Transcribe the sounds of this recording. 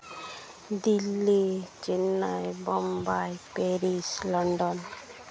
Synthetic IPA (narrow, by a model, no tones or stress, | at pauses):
d̪ilːit͡ʃinːajbɔmbajpeɾislɔɳɖɔn